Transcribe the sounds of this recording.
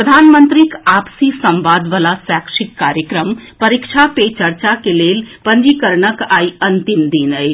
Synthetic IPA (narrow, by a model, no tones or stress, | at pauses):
pɾəd̪ʱaːnmə̃nt̪ɾikaːpsisɐ̃mʋaːd̪ʋalasaːkʃɪkːaːɾjəkɾəmpɐɾɪkʃʰapet͡ʃɐɾt͡ʃakeleːlpə̃nd͡ʒikəɾɳəkaːiɐ̃nt̪ɪmd̪inəi